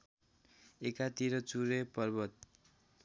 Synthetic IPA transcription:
ekat̪iɾʌt͡suɾepʌrbʌt̪̚

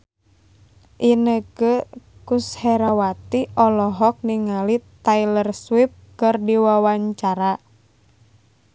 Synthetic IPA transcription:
ʔinəkəkushɛɾawat̪iʔɔlɔɦɔk̚niŋalit̪ailərswip̚kɨrdiwawaɲt͡ʃaɾa

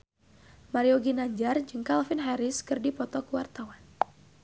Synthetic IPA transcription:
maɾioɡinaɲd͡ʒard͡ʒɨŋkalfinɦɛɾɪskɨrdipɔt̪ɔkuwart̪awan

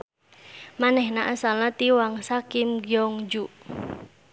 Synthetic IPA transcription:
manɛhnaʔasalat̪iwaŋsakimɡjɔŋd͡ʒuʔ

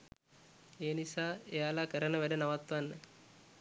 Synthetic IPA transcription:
eːnisaːejaːlakəɾənəʋæɖənaʋat̪ʋanːə

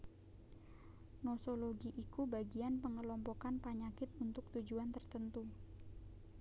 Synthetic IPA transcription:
nosoloɡiʔːkubaɡianpəŋəlɔmpɔkanpaɲakɪt̪unt̪ʊk̚t̪ud͡ʒuant̪ərt̪ənt̪u

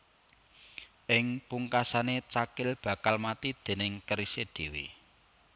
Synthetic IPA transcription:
ʔɪŋpuŋkasanet͡ʃakɪlb̥ä̤kalmat̪id̪̥e̤nɪŋkəɾised̪̥e̤wi

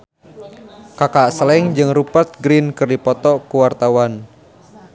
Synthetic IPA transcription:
kakasəlɛŋd͡ʒɨŋrupat̪̚ɡɾinkɨrdipɔt̪ɔkuwart̪awan

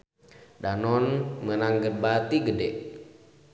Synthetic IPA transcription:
danɔnmənaŋɡət̪̚bat̪iɡədɛʔ

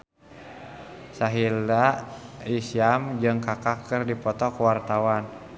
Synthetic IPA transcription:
saɦildaisiamd͡ʒɨŋkakakɨrdipɔt̪ɔkuwart̪awan

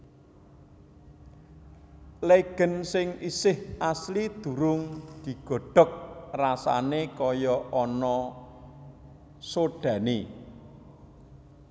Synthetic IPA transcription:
leɡ̥ə̤nsɪŋisɪhʔaslid̪̥ṳɾʊŋd̪̥i̤ɡ̥ɔ̤ɖ̥ɔ̤k̚rasa̰nekɔjɔʔɔnɔ | soɖ̥ä̤ni

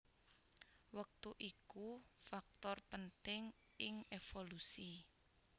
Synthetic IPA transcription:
wək̚t̪uʔikufak̚t̪ɔrpənt̪ɪŋ | ɪŋefolusi

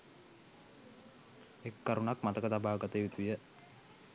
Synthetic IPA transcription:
ekːaɾunakmat̪əkət̪abaːɡat̪əjut̪ujə

